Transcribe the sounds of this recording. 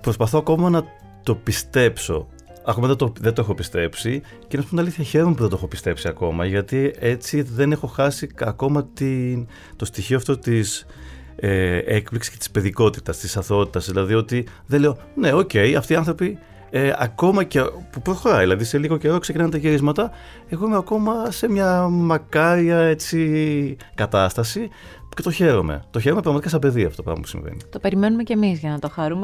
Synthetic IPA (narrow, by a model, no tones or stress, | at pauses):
pɾo̞spɐθoɐko̞mɐnɐ | t̪o̞pist̪e̞pso̞̰ | ɐko̞mɐɐt̪oðet̪oexopist̪e̞psi | cenɐspumnɐliθçɐçe̞ɾomepuðent̪oexopi̥st̪e̞psiɐko̞mɐʝɐt̪ie̞t͡siðe̞ne̞xo̞xɐsiɐko̞mɐt̪in | t̪o̞st̪içioɐft̪o̞t̪is | eekpliksi̥sket̪i̥spe̞ðiko̞t̪i̥t̪ɐst̪isɐθo̞t̪i̥t̪ɐzðilɐðio̞t̪iðeleo̞ | ne̞o̞ce̞jɐft̪iːɐnθɾopi | eɐ̰ko̞mɐcepupɾosxo̞ɾɐðelɐðise̞liɣo̞ce̞ɾo̞ksecinɐnt̪eçiɾizmɐt̪ɐ | exuimeɐko̞mɐse̞mɲɐmɐkɐɾiɐe̞t͡si | kɐt̪ɐst̪ɐsi | ce̞t̪oçe̞ɾo̞me̞̰t̪o̞çe̞ɾomepɾɐɣmɐt̪ikɐsɐbe̞ðiɐftootopɾɐmɐpu̥sḭɱvḛnḭt̪o̞pe̞ɾime̞numece̞mizʝɐnɐt̪o̞xɐɾume